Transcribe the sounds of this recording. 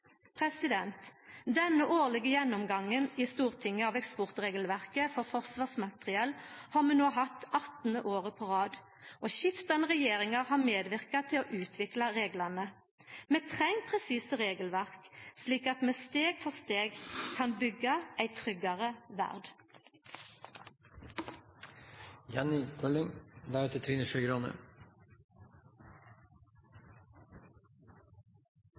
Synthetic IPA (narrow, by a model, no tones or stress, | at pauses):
pʰʁɛsɪd̪ɛnt̪d̪ɛnːəʔoːʁlɪɡəjɛnːɔmɡɑŋːənist̪uːʁt̪ʰɪŋːəɑʋɛkspɔʁt̪ʁeːɡəlʋæʁkəfɔʁfɔʁsʋɑːsmɑt̪ʁɪɛlhɑːʁmʉːnoːɦɑt̪ːɑt̪n̩əʔoːʁəpʰɔʁɑːd̪ | ʔoɕɪft̪ɑnəʁɛjeːʁɪŋɑʁhɑːʁmeːd̪ʋɪʁkɑt̪ʰɪloːʔʉːt̪ʰʋɪklɑʁeːɡlɑnə | meːt̪ʰʁɛŋpʰʁɛsiːsəʁeːɡəlʋæʁksliːkɑt̪meːst̪eːɡfɔst̪eːɡkʰɑnbʏɡɑʔæɪt̪ʰʁʏɡɑʁəʋæ̰ʁd̪ | jɑnɪkʰœlɪŋd̪æɾɛt̪ət̪ʰɾiːnəʃœɡɾɔnə̰